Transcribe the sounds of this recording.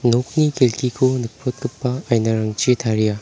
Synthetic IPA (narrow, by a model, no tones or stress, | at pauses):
nok̚nikelkʰikʰunɯk̚pʰot̚kɯpːɐːjnaɾɐŋt͡ʃit̪ʰaɾija